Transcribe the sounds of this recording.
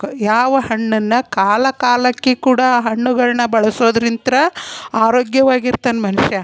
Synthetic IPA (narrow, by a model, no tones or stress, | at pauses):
jaːʋɐhɐɳːɐnːɐkaːlɐkaːlɐkːekuːɽɐɦɐɳːuɡɐɭnɐbɐɭɐsoːd̪ɾint̪ɾɐaːɾoːɡjɐʋaːɡiɾt̪ɐnmɐnuʂjɐ